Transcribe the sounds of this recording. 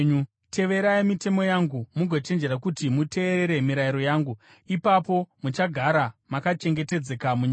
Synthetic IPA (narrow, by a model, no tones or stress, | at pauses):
ɲu | tʰe̞ʋe̞ɾaimite̞mo̞jaŋɡumuɡʱo̞t͡ʃe̞nd͡ʒe̞ɾakutimute̞ːɾeɾe̞miɾaiɾo̞jaːŋɡu | ipapo̞mut͡ʃaɡʱaɾamakat͡ʃe̞ŋɡe̞te̞d͡zekamuɲ